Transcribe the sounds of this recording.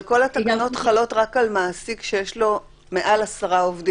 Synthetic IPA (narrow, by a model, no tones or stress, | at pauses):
ko̞latakano̞t̪χalo̞tʁakalmaːsikʃejeʃlo̞ | me̞ʔalasaʁaovdi